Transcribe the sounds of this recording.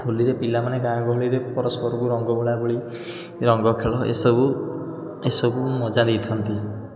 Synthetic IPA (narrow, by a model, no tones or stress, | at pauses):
oliɾepilamaneɡajɔkɔɦoɭiɾepɔɾɔspɔɾɔkuɾɔŋɡɔbɔɭabɔɭi | ɾɔŋɡɔkʰeɭɔḛsɔbu | esɔbumɔd͡ʒad̪it̪ʰɔnt̪i